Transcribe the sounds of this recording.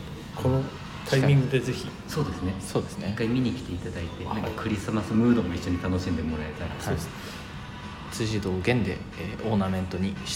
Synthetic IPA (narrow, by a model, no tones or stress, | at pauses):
kʰo̞no̞ | t̪ʰaimʲĩŋɡɯ̟d̪e̞ze̞çi | so̞ːd̪e̞sɨneso̞ːd̪e̞sɨnekaimʲiɲ̟ikʲi̥t̪e̞it̪ad̪ait̪e̞nãŋkakɯ̟ɾʲisɨmasɨmɯ̟ːd̪o̞mo̞iɕːo̞ɲ̟it̪ano̞ɕĩnd̪emo̞ɾae̞t̪aɾa̰a | t͡sɨʑid̪o̞ːɡẽ̞nd̪e̞̰ | ʔo̞ːnamẽ̞nt̪o̞ɲ̟iɕ